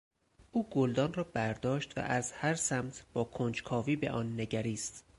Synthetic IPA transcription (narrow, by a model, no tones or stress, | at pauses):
ʔuːɡold̪ɒːnrɒːbæɾd̪ɒːʃt̪væ̰ʔæzhæɾsæmt̪ʰb̥ɒːkʰond͡ʒkʰɒːviːbe̞̰ʔɒːnːe̞ɟæɾiːst̪